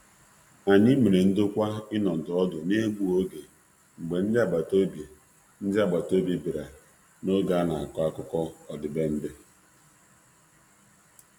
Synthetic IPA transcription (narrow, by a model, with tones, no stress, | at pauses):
a˨ɲi˦me˨ɾe˨n̩˦dʊ˦kʷa˦ɪ˦nɔ˨n̩˨dɔ˦dʊ˨ne˦ɡu˦o˦ɡe˨ | ŋ͡m̩˨ɡ͡be˨n̩˦dɪ˦a˦˨ɡ͡ba˨to˦be˨ | n̩˦dɪ˦a˦˨ɡ͡ba˨to˦bi˦bi˨ɾa˨ | no˦ɡa˨˦na˨a̰˨kɔ˦a˦kʊ˦kɔ˦ɔ˨dɪ˨be˦m̩˦dɪ˦